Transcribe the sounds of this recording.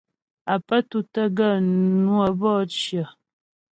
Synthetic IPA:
a˨pə˦tu˨tə˦ɡə˦˨nwə˨bɔ˦t͡ʃjə˨

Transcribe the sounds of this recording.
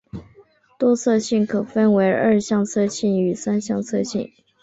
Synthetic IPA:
t̪wɔ˥t͡sʰɤ˥˧ɕi˥˩nkʰɤ˨˩fə˥nwe˧˥ɪə˞˥˧ɕjɑ˥˧ŋt͡sʰɤ˥˧ɕi˥˩ŋy˨˩sa˥nɕjɑ˥˧ŋt͡sʰɤ˥˧ɕḭ˥˩n

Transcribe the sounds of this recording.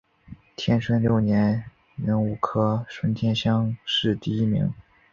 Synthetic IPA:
t̪ʰjɛ˥nʂʰwə˥nljo˥˩ʊnjɛ˧˥n | nə˧˥ŋu˨˩kʰɤ˥ʂwə˥nt̪ʰjɛ˥˧nɕjɑ˥ŋʂɻ̩˥˧t̪i˥˩i˥mḭ˧˥ŋ

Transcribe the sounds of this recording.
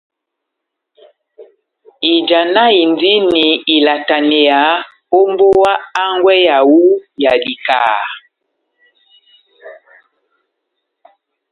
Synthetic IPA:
i˨d͡ʒa˨na˦i˨ndi˦ni˨i˨la˨ta˨ne˨ja˨˦ | o˦mbo˦wa˦a˦ŋɡwɛ˦ja˨wu˦ja˨li˨ka̰ː˨

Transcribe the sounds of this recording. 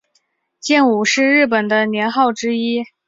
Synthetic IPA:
t͡ɕjɛ˥˩nu˨˩ʂɻ̩˥˧ɻɻ̩˥˩p̬ə˨˩nd̪ə˦njɛ˧˥nxɑ˥˩ʊʈ͡ʂɻ̩˥i˥

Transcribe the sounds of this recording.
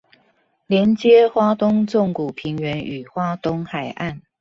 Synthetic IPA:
ljɛ˧˦nt͡ɕjɛ˦˥xwa˥t̪ʊ˥ŋt͡sʊ˥˨ŋku˨˩pʰi˨˥ŋɥɛ˧˥ny˨˩xwa˥t̪ʊ˥ŋxa˨˩ɪʔa˥˨n

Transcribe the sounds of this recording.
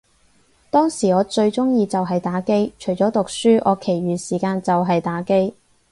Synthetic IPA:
t̪ɔː˥ŋsiː˨˩ɔː˨˧t͡ʃɵ˧ɥt͡sʊ˥ŋjiː˧t͡sɐ˨wɦɐ˨jt̪aː˨˥ke˥jt͡ʃʰɵ˨˩jt͡ʃɔː˨˥t̪ʊ˨k̚syː˥ʔɔ̰ː˨˧kʰe˨˩jɥyː˨siː˨˩kaː˧nt͡sɐ˨wɦɐ˨jt̪aː˨˥ke˥j

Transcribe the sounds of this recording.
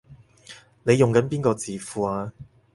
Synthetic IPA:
ne˨˧jʊ˨ŋkɐ˨˥npiː˥nkɔː˧t͡siː˨fuː˨aː˧

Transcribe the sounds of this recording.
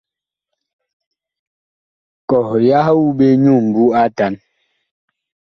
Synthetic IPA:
kɔ˨hja˦hu˦be˦ɲu˦˨m̩˨bu˦a˦ta˨˦n

